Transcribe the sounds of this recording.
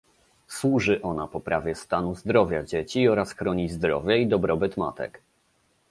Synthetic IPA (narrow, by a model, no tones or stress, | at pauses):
swuʐɘʔɔnapɔpɾavʲjɛst̪anuzd̪ɾɔvʲjad͡ʑet͡ɕiɔɾasxɾɔɲizd̪ɾɔ̰vʲjaid̪ɔbɾɔbɘt̪ma̰t̪ɛ̰k